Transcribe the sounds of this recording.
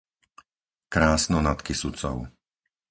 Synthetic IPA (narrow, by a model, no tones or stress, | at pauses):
kɾaːsnɔnat̪kisut͡sɔ̰ʊ